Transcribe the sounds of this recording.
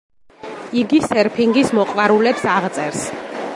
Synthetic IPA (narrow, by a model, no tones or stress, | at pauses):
iɡisɛɾpʰiŋɡismɔqʼwaɾulɛpsaʁt̪sʼɛɾs